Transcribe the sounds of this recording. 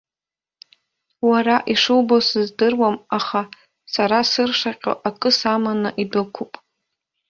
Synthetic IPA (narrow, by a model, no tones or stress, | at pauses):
waɾaʔiʂɨwbosɨzdɨrwamaχa | saɾasɨrʂaqʲʼo̰ʔakʼɨsamanɨʔidɨkʷʰupʼ